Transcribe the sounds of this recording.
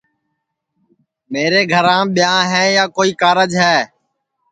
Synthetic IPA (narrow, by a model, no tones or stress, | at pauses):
meːɾeːɡʱəɾãːɓɪjãːɦɛ̃ːjaːkoːiːkaːɾəd͡ʒɦɛː